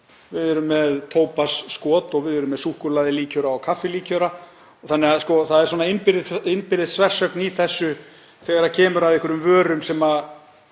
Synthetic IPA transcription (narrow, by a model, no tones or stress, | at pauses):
vɪðʏɾʏmːɛðt̪ʰoːwpasːkɔːt̪ɔɣvɪðʏɾʏmːɛðsuhkʏɾlaðɪliːcœɾaɔɣkʰafːɪliːcœɾa | ɔɣθanːɪɣaðskɔθaðɛɾ̥swɔːnaɪnpɪɾɪðɪnpɪɾɪsvɛr̥sœkniθɛsːʏ | θɛɣaɾacʰɛːmʏɾavɪhkʏɾʏmvœːɾʏmsɛma